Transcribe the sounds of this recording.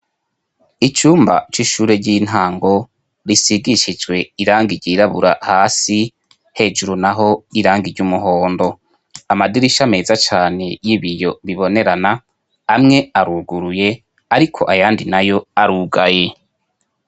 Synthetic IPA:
it͡ʃuːmba̰t͡ʃiʃuːɾe̞ɾɟin̥aːŋɡo̞ | ɾisiɡiʃid͡ʒwe̞iɾaːŋɡiɾɟiɾaβuɾahaːsi | he̞ːd͡ʒuɾunaɦo̞iɾaːŋɡiɾɟumuɦoːndo̞ | amadiɾiʃame̞ːzat͡ʃaːne̞jiβijo̞βiβo̞ne̞ɾanaː | mŋe̞aɾuːɡuɾuje̞ | aɾikʰo̞̰ʔajaːndinajo̞aɾuɡaje

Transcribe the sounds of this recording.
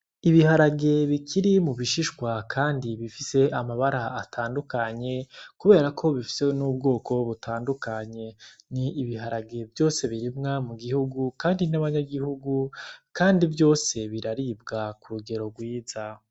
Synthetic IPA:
iβiɦaɾaɡe̞βikʰiɾimuβiʃiʃkwakʰaːndiβifise̞ʔamaβaɾaːtʰaːndukaɲe̞kuβe̞ːɾakʰo̞βifi̥senuːb̚ɡo̞ːkʰo̞βutʰaːndukaɲe̞niːβihaɾaɡe̞vjo̞ːse̞βiɾimŋamuɡihuɡukaːndinaβaɲaɡihuɡukaːndivjo̞ːse̞βiɾaɾiːbɡakuɾuɡe̞ɾo̞ɡwiːza

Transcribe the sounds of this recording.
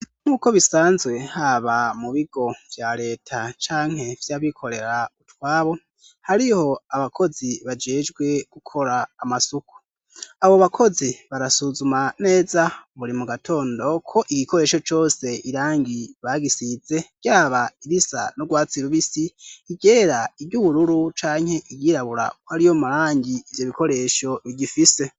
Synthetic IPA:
n̥uːko̞βisaːnzɡwe̞haβamuβiɡo̞v̥jaɾe̞ːtʰat͡ʃaːŋ̥he̞vjaβikʰo̞ɾe̞ɾautwaːβo̞ | haɾiho̞aβakʰo̞ziβad͡ʒe̞ːd͡ʒɡwe̞ɡ̥ukʰo̞ɾaːmasuku̥ | aβoβakʰo̞ziβaɾasuzumane̞ːzaβuɾimuɡatʰo̞ːndo̞kʰo̞ʔiɡiko̞ɾeʃo̞t͡ʃo̞ːse̞ʔiɾaːŋɡiβaɡisize̞ɟ̥jaːβaiɾisa̰noɡwaːt͡siɾuβisiiɟe̞ːɾaibɟuβuɾuɾut͡ʃaːŋhe̞ʔiɡiɾaβuɾa̰kwhaɾijomaɾaːŋɟiːvjo̞βikʰo̞ɾe̞ʃo̞βiɟifise̞

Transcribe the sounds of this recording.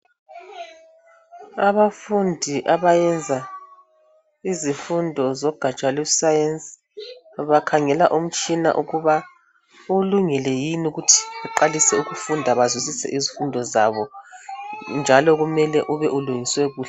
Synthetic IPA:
aβafundʱiʔaβajɛnd͡zʱa | izifundʱɔzɔɡ̥ʱat͡ʃʼwalɛsajɛns | βakʰaŋɛlaʔum̩t͡ʃʼina̰ʔuɣuβa | uluŋɛlɛjinuɣutʰi̥βɛǃalisɛuɣufundʱaβazwisisɛ̰ʔizifundʱɔzaβɔ | nd͡ʒʱalɔɣumɛlɛʔuβɛʔuluŋiswɛɣuːɬɛɛ

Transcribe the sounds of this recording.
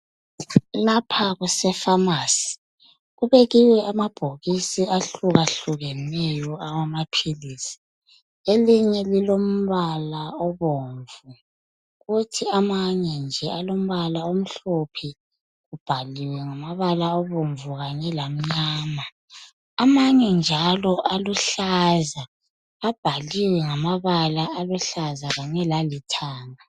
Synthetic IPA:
lapʰaɣusɛfamaːsi̥ | ɣuβɛɣiwɛamab̥ʱoɣisiaɬuɣaɬuɣɛnɛjɔawamapʰiliːsi̥ | eliɲɛlilom̩βalaɔβoːɱvu | ɣutʰiamaɲɛnd͡ʒʱɛalom̩βalaom̩ɬopʰi | ɣub̥ʱaliwɛŋamaβalaɔβoɱvuɣaɲɛlam̩ɲaːma | amaɲɛnd͡ʒʱalɔʔaluɬazaː | b̥ʱaliwɛŋamaβalaaluɬazaɣaɲɛlalitʰaːŋa

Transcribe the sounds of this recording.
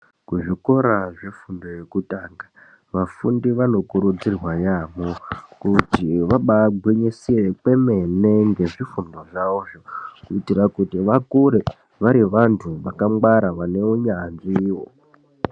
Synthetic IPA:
kuʐiko̞ɾaʐefundo̞je̞kutaːŋɡa | ʋafundiʋano̞kuɾud͡zirwajamokutiʋaɓaɡ͡bʱwiɲisiekwe̞me̞neŋɡe̞ʐifundo̞ʐaoʐokuitirakutiʋakuɾe | ʋaɾiʋantʰuʋakamwaɾaʋane̞uɲanʐiːwo

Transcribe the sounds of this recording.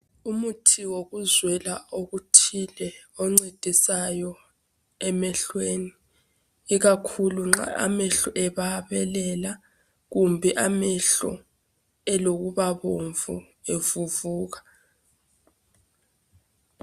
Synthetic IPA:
umutʰiwoɣuzwɛlaoɣutʰilɛɔŋ͡ǀed̥ʱisajɔ | ɛmɛɬweːniː | ɣakʰuluŋ͡ǁa̰a̰mɛɬɔʔɛβaβɛlɛla | ɣumbʱɛʔamɛɬɔ̰ | ɛloɣuβaβoɱvṵ | evuvuːɣa

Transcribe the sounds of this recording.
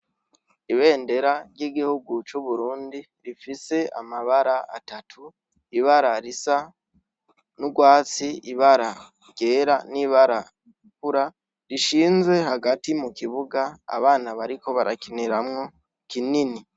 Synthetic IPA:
iβe̞ːnde̞ɾaɾjiːɡihuɡut͡ʃuβuɾuːndi | ɾifise̞amaβaɾaa̰tatʰu | iβaɾaɾisa | nuɡwaːt͡siiβaɾa | ɟe̞ːɾaniβaɾa | ɾikuɾa | ɾiʃiːnzwe̞haɡatimukiβuɡa̰ːβaːnaβaɾiko̞βaɾʔa̰kiniɾamŋo̞ | kinini

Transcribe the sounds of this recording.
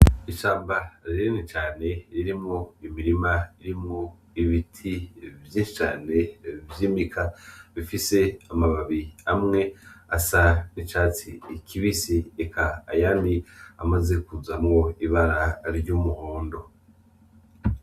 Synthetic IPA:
iʃaːmbaɾiɾenit͡ʃaːne̞ɾiɾimŋoimiɾimaiɾimŋo | iβitʰivjiːnʃi̥t͡ʃa̰ːne̞vjiːmikʰaβifise̞amaβaβiamŋe̞asanit͡ʃaːt͡siːkʰiβisiekʰa̰ːjania̰maze̞kuzamŋo̞iβaɾaɾɟuːmuhoːndo̞

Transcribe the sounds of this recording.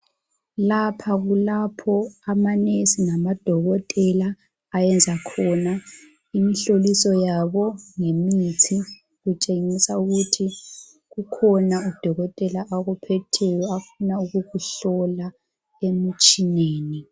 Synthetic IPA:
lapʰaɣulapʰɔamanesinamad̥ʱɔɣɔtʼɛlaː | jɛnd͡zʱakʰɔna | imiɬolisɔjaβɔŋemit͡sʰi | ɣut͡ʃʼeŋisauɣutʰi | ɣukʰɔnaud̥ʱɔɣɔtʼɛlaʔːɣupʰɛtʰɛjɔafunauɣuɣuɬɔla | em̩t͡ʃʼineːni

